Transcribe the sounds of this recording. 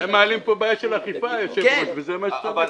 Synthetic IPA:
emːaːlimpobajaʃelaχifajaʃevoʃvezemaʃto

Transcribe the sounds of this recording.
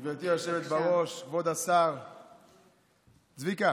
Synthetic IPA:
vet̪iaʃevet̪baʁo̞ʃkvod̪asaʁ | t͡svika

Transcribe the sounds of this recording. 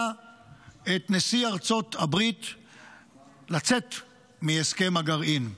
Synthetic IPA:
et̪nesiaʁt͡so̞t̪abʁit̪ | lat͡se̞t | mieske̞maɡaʁʔin

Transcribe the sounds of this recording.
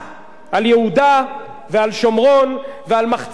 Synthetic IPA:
aljehud̪a | vealʃo̞mʁo̞nvealmaχt͡s

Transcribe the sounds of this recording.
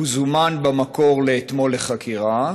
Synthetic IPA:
uzumanbamako̞ʁleːt̪mo̞lːeχakʰiʁa

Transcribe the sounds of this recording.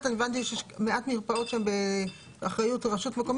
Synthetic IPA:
t̪anevant̪̬iʃjeʃmeʔatmiʁpao̞tʃambe | aχʁajutʁaʃutmekom

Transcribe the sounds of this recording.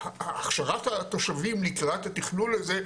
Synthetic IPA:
haːχʃaʁat̪hat̪oʃavimlikʁat̪hat̪iχnunleze

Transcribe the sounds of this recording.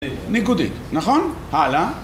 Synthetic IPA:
nikud̪ḭt̪naχonhala

